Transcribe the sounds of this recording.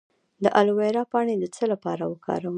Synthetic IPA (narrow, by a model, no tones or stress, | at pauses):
d̪əʔalweɾɑpɑɽ̃ed̪ət͡səlapɑɾawəkʰɑ̰ɾawə